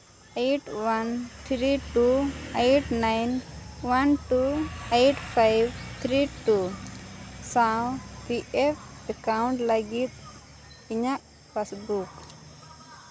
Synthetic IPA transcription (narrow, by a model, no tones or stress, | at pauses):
ejʈwant̪ʰɾiʈuejʈnajnwanʈuejʈpʰajbt̪ʰɾiʈu | sãwpiʔɛpʰɛkauɳʈləɡit̪̚ | iɲaʔ | pʰasbuk